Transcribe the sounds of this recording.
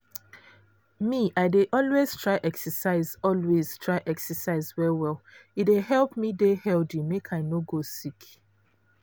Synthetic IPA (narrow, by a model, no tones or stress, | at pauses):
miʔaɪdeʔɔlwez̥tʰɹaɪʔɛksəsaɪzɔlwez̥tʰɹaɪʔɛksəsaɪzwɛwɛlideɦɛlˠpmidehɛldimekʰaɪnoɡosik